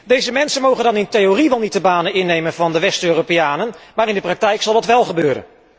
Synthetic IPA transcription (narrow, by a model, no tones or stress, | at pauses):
dejzəmɛnsənmowχəndɑnɪntejoriʋɛlˠnit̚dəbaːnənɪnːejmənvɑndəʋɛstøːropeaːnənmaːɾɪndəprɑk̚tɛjksɑlˠdɑtʋɛlˠχəbøːɾə̰n